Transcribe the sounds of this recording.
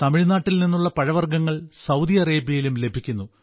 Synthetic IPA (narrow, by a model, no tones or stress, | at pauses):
t̪ɐmiɻnaːʈːilninːuɭːɐpɐɻɐʋɐrɡɐŋːɐɭsɐwd̪ijɐre̞ːbjɐjilumle̞bʱikʲːunːu